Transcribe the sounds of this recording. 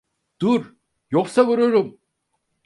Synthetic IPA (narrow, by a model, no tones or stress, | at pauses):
d̪̥uɾ | joksavuɾuɾum